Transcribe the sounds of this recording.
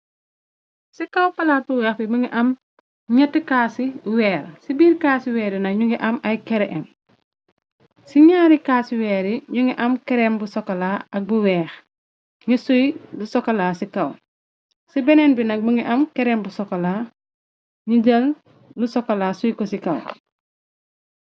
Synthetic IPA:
sikɐwpɐlat̚buwɛːxbiməŋiʔɐm | ɲɐtːikaːsiwɛːɾsibiːɾkaːsiwɛːɾinɐkɲuŋɡiʔɐmɐjkɛɾɛʔɛm | siɲaːɾikaːsiwɛːɾiɲuŋɡiʔɐmkɛɾɛmbusɔkːɔlaːɐk̚buwɛːx | ŋisujlusɔkːɐlaːsikɐw | sibɛnɛnbinɐk̚muŋiʔɐmkɛɾɛmbusɔkːɔlaː | ɲiɟɐl | lusɔkːɐlaːsujkɔsikɐw

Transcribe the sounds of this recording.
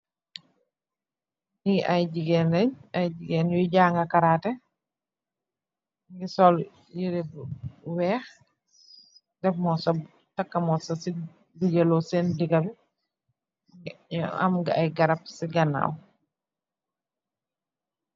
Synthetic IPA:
niʔajɟiɡɛnɛɲɐjɟiɡɛnjuɟaːŋɡɐkaɾaːtɛ | ŋɡisɔl | jiɾebwɛːx | dɛfmɔsɔ | tɐkːɐmɔsɐsi | diɡelɔsɛndiɡɐbɛ | ɐ̰mɡaajɡɐɾɐp̚siɡɐna̰ːw

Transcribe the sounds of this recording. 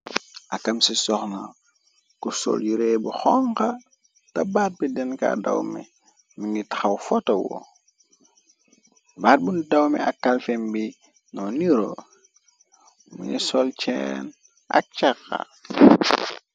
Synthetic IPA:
ɐkɐmsisɔxna | kusɔ̰ljiɾebuxɔŋkɐ | tɐbaːt̚bidɛnka̰dɐwmɛ̰ | minɡitḁxɐwfɔtɐwɔ̰ | baːt̚bundɐwmɛ̰ɐkːalfɛmbi | nɔniɾo | mṵɲisɔlt͡ʃɛ̰n | ɐ̰k̚t͡ʃakːɐ̰

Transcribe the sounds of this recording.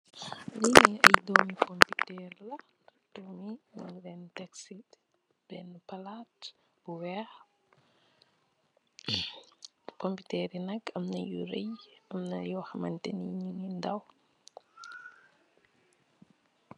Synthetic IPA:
liniɐjdɔmikʰɔmpitɛrlɐ | tomimɔ̰ŋɡɾɛntɛksit | b̥ɛnpɐlat | b̥uwɛh | kɔmpitɛɾinɐkːɐmnɐjuɾɛjɐmnɐjɔwxɐmɐ̰ntɛniɲinindɐw

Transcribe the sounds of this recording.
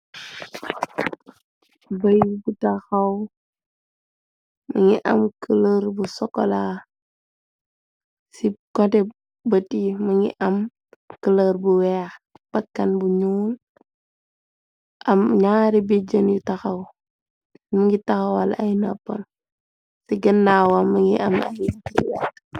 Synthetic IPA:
bɐjbutɐxɐw | məŋiʔɐ̰mkələɾbusɔkːɔla | sikɔtɛ | bətiməŋḭʔɐm | kələɾbuwɛːx | b̥ɐkːɐnbuɲuːl | ʔɐmɲaːɾibid͡ʒənjutɐxɐw | məŋɡitɐxɐwalaɐjnɐpːɐn | siɡəndaːwɐmɐŋḭʔɐ̰mɐ̰bid͡ʒiwɛ

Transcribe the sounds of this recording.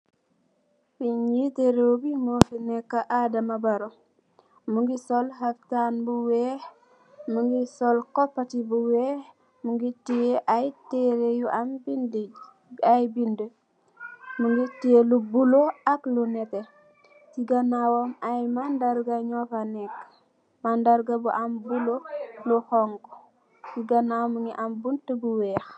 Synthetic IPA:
fiɲiteɾowbimofinɛkːaʔadamabaɾo | muŋɡisɔlɦaftanbuwɛh | muŋɡisɔlkɔpːatibuwɛh | muŋɡitijeʔajteɾejuʔambindi | ajbində | muŋɡitielubuloaklunɛtɛ | siɡanawɔmajmandaɾɡaɲɔfanɛkː | mandaɾɡabuʔambuloluhɔŋɡ | siɡɐnawmuŋɡiʔambuntəbuwɛːx

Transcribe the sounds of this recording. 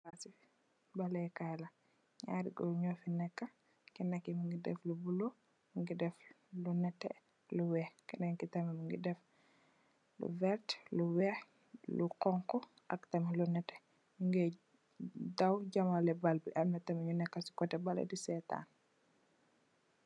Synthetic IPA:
asi | balɛkajlɐ | ɲa̰ɾḭɡɔ̰lɲɔfinɛkːa | kinɛkːimuŋɡidɛ̰flubulo | muŋɡidɛf | lunɛtːɛ̰ | luwɛhkinɛkitɐmimuŋɡidɛf | lṵvɛɾtluwɛh | luqɔŋkɔ | ʔɐ̰ktɐmilunɛtɛ̥ | muŋɡɛ | dawɟamalɛbalbiʔɐlmɛtɐmiɲunɛkːasi̥kɔtɛbalḛdisɛta̰n

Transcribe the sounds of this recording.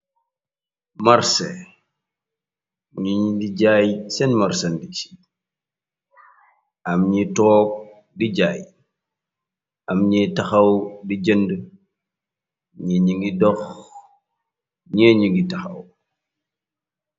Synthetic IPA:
maɾsɛ̰ | ɲuɲidiɟaːjsɛnmaɾsɐndit͡ʃi̥ | ɐmɲitɔːk̚ | diɟaːj | ʔɐmɲɛtɐxɐwdiɟəndə | ɲɛɲiŋɡidɔx | ɲɛːɲuŋɡitɐxɐ̰w

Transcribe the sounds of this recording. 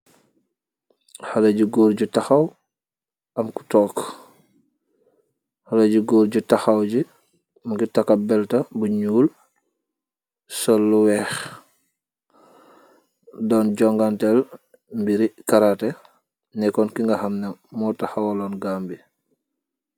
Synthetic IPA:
halɐɟuɡoːɾɟutaxɐw | ɐmku̥tɔːk | halɐɟuɡoːɾɟutaxawɟi | mɡitakabɛltɐbuɲuːl | sɔlːuwɛːx | dɔnɟɔŋɡantɛl | mbiɾikaɾatɛ | nɛkɔnkiŋɡɐhamnɐːɔtaxawalɔːnɡaːmbi

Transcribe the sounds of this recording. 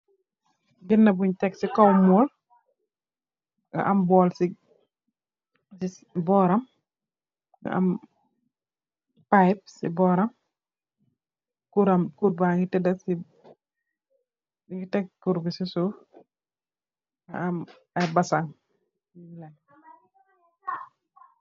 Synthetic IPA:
ɡɪnːɐbuɲtɛksikɔwmɔːl | ɡɐ̰ʔɐmbɔːlsi | si | bɔːɾɐm | ŋɡɐ̰ʔɐ̰m | pajp̚sḭbɔːɾɐm | kuɾɐmkuɾ̚baŋɡitɛdɐsi | siŋɡitɛk̚kuɾbisisu | ŋɐ̰ɐm | ɐjbɐsaŋ | ilaŋ

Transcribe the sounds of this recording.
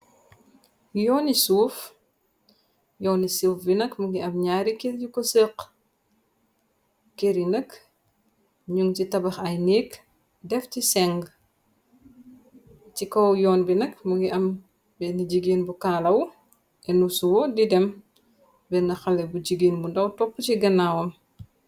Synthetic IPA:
jɔːnisuːf | jɔːnisufbinɐkmuɡiɐmɲaːɾikelɟikɔsəːq | keɾinɐk | ɲuŋcitɐbɐxɐjniːk | dɛfcisɛŋɡ | t͡ʃikɔwjɔːnbinɐkmuɡiʔɐm | bɛniɟiɡinbukaːlɐw | ʔɛnusuwɔdidɛm | bɛnɐxɐlɛbuɟiɡiːnbundɐwtɔpːəciɡɐnawɐm

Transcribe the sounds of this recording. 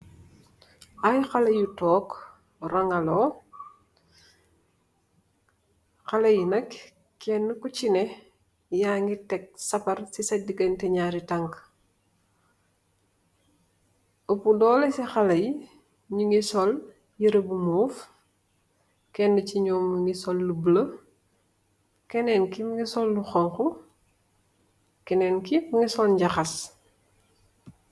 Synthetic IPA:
ʔajxɐlɐjutɔːk | rɐŋɐlɔː | xɐlɐjinɐk | kːɛnːkucinɛ | jaːŋɡitɛk̚sɐpɐrsisɐdiɡɐntɛɲaːɾitɐŋk | opudɔːlesixɐlɐj | ɲuŋisɔl | jiɾəbumuːf | kɛndəciɲɔːmːŋisɔlːublə | kɛnɛːnkimŋisɔlːuxɔŋxu | kɛnɛːnkibuŋisɔlɲɟɐxɐs

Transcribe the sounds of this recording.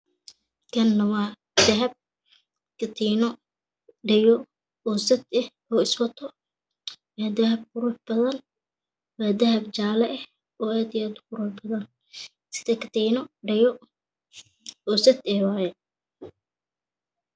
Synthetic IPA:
kʰɐnːɐwɑː | d̪̥ɐɦɐb̚ | kʰɐt̪ʰiːnɔ | ɖɛjɔ | ɔːsɐd̪ɛh | ɔːɪswɐt̪ʰɔ | wɑːd̪ɐɦɐb̚kʊɾʊːħb̥ɐðɐn | wɑːd̪ɐɦɐbt͡ʃaːlɐʔɛh | ɔːaːd̪ɪjaːd̪kʊɾʊːħbɐðɐn | sɪ̥ðɛkʰɐ̥t̪ʰiːnɔɖɐjɔ | ɔːsɐt̪ɛhwɑːjɛ

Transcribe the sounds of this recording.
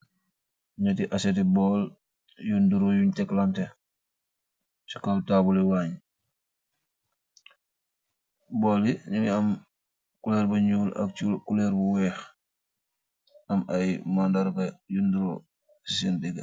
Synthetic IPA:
ɲatiʔasetibɔːl | junduɾojuɲtɛklante | si̥kaltabuliwaɲ | boːliɲuniɐm | kulɛɾbɐɲuːla̰k̚t͡ʃulkulɛɾbuwɛx | ɐmajmandaɾbɐjunduɾo | sisindiɡa

